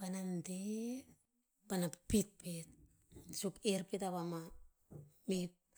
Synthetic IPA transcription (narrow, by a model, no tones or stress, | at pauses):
panande | panappit̚pet̚ | sukeɾpitaβama | mip̚